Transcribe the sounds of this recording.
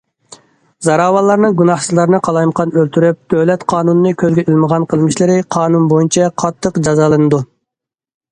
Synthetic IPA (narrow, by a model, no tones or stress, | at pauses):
zɑɾɑːwɑlˠːɑɾnɨŋɡunɑχsɨlˠɑɾnɨqʰɑlˠɑjməqʰɑnølt̪ʰyɾyp̚d̪̥øwlɛt̪qʰɑːnunɨnɨkʲʰøzɡʲɛʔilˠməʁɑnqʰəlˠmɨʃlɪɾɪqʰɑːnunbojint͡ʃʰɛqʰɑt̪ʰːəqd͡ʒɑzɑlˠɨnɨd̪u